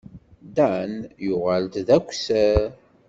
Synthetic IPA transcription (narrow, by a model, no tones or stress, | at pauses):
d̪ænjʊʁalt̪ðækʷːsæɾ